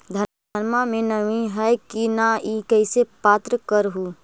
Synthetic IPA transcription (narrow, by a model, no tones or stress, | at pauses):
d̪ʱɐ | əɾmamẽnəʋiɦɛkinaikɛɪsepaːt̪ɾəkəɾɦuː